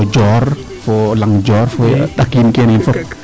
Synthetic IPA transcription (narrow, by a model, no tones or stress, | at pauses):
d͡ʒɔr | folaŋd͡ʒɔrfot̪akinkeninfo